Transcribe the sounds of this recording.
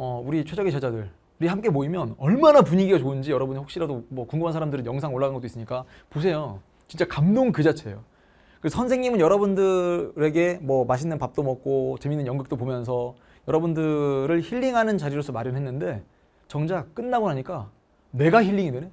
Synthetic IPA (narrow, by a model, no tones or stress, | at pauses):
ʌuɾit͡ɕʰed͡ʑʌɡint͡ɕed͡ʑadɯɭ | uɾihamk͈e̞moimjʌnʌɭmanapuɲiɡiɡat͡ɕoɯnd͡ʑijʌɾʌbunɸokɕ͈iɾadomwʌkuŋɡumɦansʰaɾamdɯɾɯnjʌŋsʰaŋoɭːaɡanɡʌt͈ois͈ɯɲik͈a | pos̬ʰe̞jo | t͡ɕint͡ɕ͈akamdoŋkɯd͡ʑat͡ɕʰe̞jo | kɯɾesʌsʰʌnsʰe̞ŋɲimɯnjʌɾʌbundɯɾe̞ɡe̞mwʌmaɕʰinːɯnpap̚t͈omʌk̚k͈ot͡ɕe̞minːɯnjʌŋɡɯk̚t͈opomjʌns̬ʰʌ | jʌɾʌbundɯɾɯɭçiʎːiŋɦanɯnt͡ɕaɾiɾos͈ʰʌmaɾjʌnɦenːɯnde̞ | t͡ɕʌŋd͡ʑak͈ɯnːaɡonɦaɲik͈a | ne̞ɡaçiʎːiŋidene̞